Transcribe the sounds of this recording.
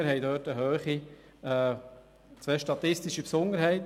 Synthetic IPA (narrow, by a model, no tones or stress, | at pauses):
əɾɦɛjdøːtəɦøːχi | ɛ | t͡sʋɛːʃtɑt̪ɪstiʃipsʊnd̪əɾɦɛɪt